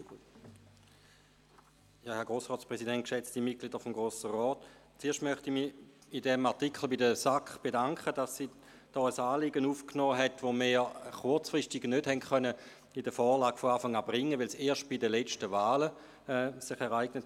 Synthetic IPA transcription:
jaːhɛɐɡ̥ʁoːsʁɔːtt͡sspʁɛsidɛnt̚kʃɛt͡stdimit̚kliːdəfomɡ̥ʁoːsəʁɔːt | t͡seːɐtmœχtimiidɛmaʁtikχl̩bidəsakχb̥edaŋkχədasːiː | d̥ɔːəsaːliɡənuːfknɔːɦɛtʋomeːχʊɐt͡sfʁɪstiɡnødhɛntχœnə | idəfɔːlaːɡ̥foaːfaŋaːbʁɪŋːəʋɪlseːɐʃt̚b̥idəlɛt͡ʃtəvaːlə | sɪχɛʁaɪɡnət

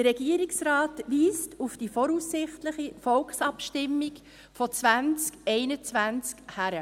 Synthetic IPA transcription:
əɾɛɡ̥iːəɾɪksɾɑːtʋiːstufd̥ifɔɾuːsːɪχtləχifɔlksɑpʃtɪmːik | fɔt͡svænt͡skɛɪnət͡svænt͡skhæɾə

